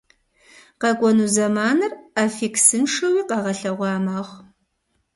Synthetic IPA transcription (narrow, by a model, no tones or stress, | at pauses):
qɐkʷʼɔnuːzɐmaːnɨraːfiːksɨnʂɐwiːqɐʁɐɬɐʁʷɑːmaːʁʷ